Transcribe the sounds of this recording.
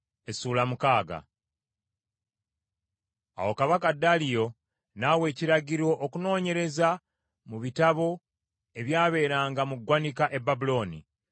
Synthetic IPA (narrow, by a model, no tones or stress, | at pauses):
e̞suːlamukaːɡa̰ | a̰wo̞kaβakadalijo̞ | nawe̞ːciɾaɟiɾwo̞ʔokuno̞ːɲe̞ɾe̞za | muβitaβo̞ | e̞βjaːβe̞ːɾaːŋɡamuɡwanikaʔe̞bːabulo̞ːnḭ